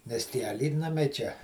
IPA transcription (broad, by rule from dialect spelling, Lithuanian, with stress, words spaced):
nʲɛs tʲiɛ ɐˈlʲiːtnɐmʲɛɪ t͡ʃʲɛ